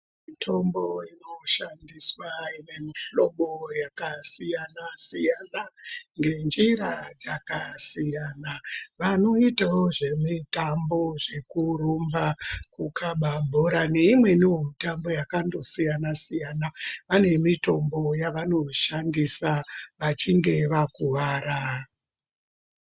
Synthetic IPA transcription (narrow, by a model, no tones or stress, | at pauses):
mmitʰo̞mbo̞ino̞ʃandiswaine̞miɬo̞ɓojakasijanasijanaŋɡe̞nd͡ʒiɾad͡zakasijanaʋano̞itawoʐe̞mitambo̞ʐe̞kurumbakukʰaɓabʱoɾaneimwe̞niwomitambo̞jakando̞sijanasijanaʋane̞mito̞mbo̞jaʋano̞ʃandisaʋat͡ʃiŋɡe̞ʋakuʋaːɾa